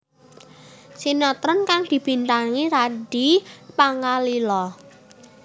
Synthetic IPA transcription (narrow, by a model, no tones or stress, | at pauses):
sinɔt̪ɾənkaŋd̪̥i̤b̥i̤nt̪aŋiɾaɖ̥ipaŋalilɔ